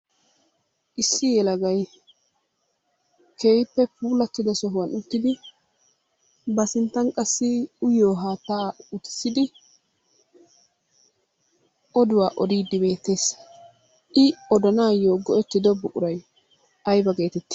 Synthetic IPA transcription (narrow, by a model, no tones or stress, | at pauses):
ʔɪsːɪjɛlɐɡɐj | kʰeːjpːɛpuːlɐt̪ːɪd̪ɐsɔɦwɐnʊt̪ːɪd̪ɪ | bɐsɪnt̪ːɐnkʼɐsːɪʊjoːɦaːt̪ːaːʊt̪ɪ̥sːɪd̪ɪ | ʔɔd̪ʊwaːʔɔd̪iːd̪ːɪbe̞ːt̪ːe̞ːsːɐ̥ | ʔɪɔd̪ɐnaːjoːɡɔʔɛt̪ːɪd̪ɔbːʊʔʼʊɾɐj | ɐjbɐɡe̞ːt̪ɛt̪ːɪ̥